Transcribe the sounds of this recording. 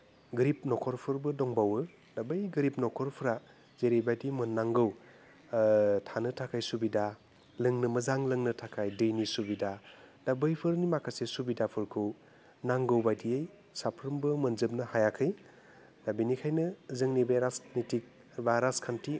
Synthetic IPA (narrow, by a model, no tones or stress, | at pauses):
ɡɾip̚nɔkʰɔɾpʰɯɾbɯdɔŋbawɯ | dabɯjɡɯɾip̚nɔkʰɔɾpʰɯɾa | zeɾebajdimɯnːaŋɡɯw | tʰanɯtʰakʰajsubida | lɯŋnɯmɯzaŋlɯŋnɯtʰakʰajdɯjnisubidad̥abɯjpʰɯɾnimakʰasesubidapʰɯɾkʰɯw | naŋɡɯwbajdijej | sapʰɾɯmbɯmɯnzɯp̚nɯhajakʰɯj | nabinikʰajnɯzɯŋnibajɾasnitik̚ | baɾaskʰantʰi